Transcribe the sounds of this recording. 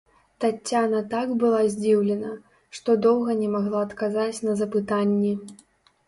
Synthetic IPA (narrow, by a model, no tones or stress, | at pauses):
t̪at͡sʲːanɐt̪aɡbɨlˠazʲd͡zʲiwlʲɛnɐ | ʂt̪ɔd̪ɔwɣɐnʲɛmaɣlˠaɐt̪kazat͡sʲnɐzɐpɨt̪anʲːɛ